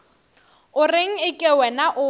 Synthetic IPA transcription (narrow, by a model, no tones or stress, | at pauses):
ʊrɪŋ̩ɪkʼɛwɛnaʔʊ